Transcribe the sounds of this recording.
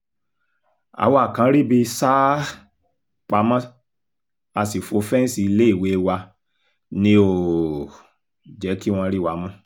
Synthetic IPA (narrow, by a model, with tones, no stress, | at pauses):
a̰˨wa˦˨kã˨˦ɾi˦bi˧sa˦ | k͡pa˧mã˦ | a˧si˨fo˧fɛ˦n̩˦si˧i˧le˦i˦˨we˨˦˧wa˧ | nĩ˧o˨ | d͡ʒɛ˨˦ki˦w̃ɔ̃˧˦ɾi˦˨wa˧˦mɔ̃˦